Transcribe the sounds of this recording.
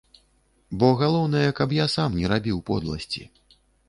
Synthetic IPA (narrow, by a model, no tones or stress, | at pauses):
bɔɣalˠɔwn̪ɐjɐkɐpjasamnʲɛɾabʲiwpɔ̰d̪lˠɐ̰sʲt͡sʲḭ